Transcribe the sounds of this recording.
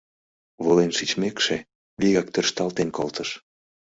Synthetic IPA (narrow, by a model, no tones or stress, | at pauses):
βolenʃit͡ɕmekʃe | βiɣɑkt̪ørʃt̪ɑlt̪enkolt̪əʃ